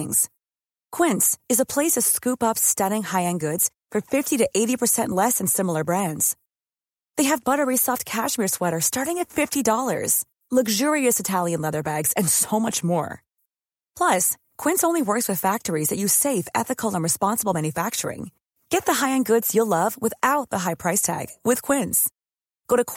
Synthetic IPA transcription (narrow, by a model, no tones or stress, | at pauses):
ŋz̥ | kʰw̥ɪ̃ntsɨzəpʰl̥eɪsʌv̥skʉpʌpstʌɾɪ̃ŋhaɪɨ̃nɡʊdz̥fə˞fɪftiɾɨʔeɪɾipʰə˞sɛ̃nʔlɛsɨ̃n̩sɪ̃ml̩ˠə˞bɹæ̃ndz̥ | ðeɪɨvbʌɾə˞isɑft̚kʰæʃmɪɹswɛɾə˞stɑɹɾɪ̃ŋɨtfɪftidɔlˠə̰˞z̥ | lʌɡʒʊɹiɨsɨtʰælˠjɨ̃nlɛðə˞bæɡz̥ɨ̃nsoʊmʌt͡ʃmɔ̰ɹ | pʰl̥ʌs | kʰw̥ɪ̃nsõʊ̃nliwɜ˞kswɨð̥fæk̚tə˞izðɨt͡ʃɨseɪfɛ̰θɨkʰl̩ˠə̃nɹɨspɑ̃nsəbl̩ˠmæ̃njɨfæk̚t͡ʃə˞ɪ̰̃ŋ | ɡ̥ɛt̪̚ðəɦaɪɨ̃nɡʊdz̥jəlʌvwəɨθaʊt̪̚ðəɦaɪpʰɹ̥aɪstʰæ̰ɡ̥wɪð̥kʰw̥ɪ̃nz̥ | ɡ̥oʊɾɨk